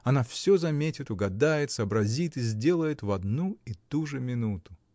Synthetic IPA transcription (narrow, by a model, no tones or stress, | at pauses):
ɐnafsʲɵzɐmʲetʲɪt̪ʊɡɐd̪ajɪt̪sɐbɾɐzʲit̪ɨzʲdʲe̞lˠəjɪt̪vɐd̪nuit̪uʐɨmʲɪnut̪ʊ̥